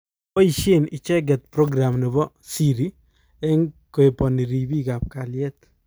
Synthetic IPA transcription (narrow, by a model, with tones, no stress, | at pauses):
pɔ˦i˨ʃe˦ni˨t͡ʃɛ˦ɡ̬ɛ˨t̪̚pɾɔ˦ɡɾa˨mni˨bɔ˦ | si˦ɾi˦ | ɛ˦ŋko˨e˨pɔ˨ni˨ɾi˨bi˦ka˨p̚ka˨ljɛt̪̚